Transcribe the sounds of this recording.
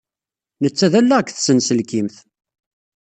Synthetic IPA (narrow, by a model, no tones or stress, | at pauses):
nət͡sːæðælːæəkːθsənsəlkimθ